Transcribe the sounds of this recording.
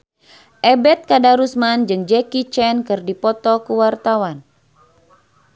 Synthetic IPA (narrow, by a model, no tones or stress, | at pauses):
ʔɛbɛt̪̚kadaɾusmand͡ʒɨŋd͡ʒɛkit͡ʃɛnkɨrdipɔt̪ɔkuwart̪awan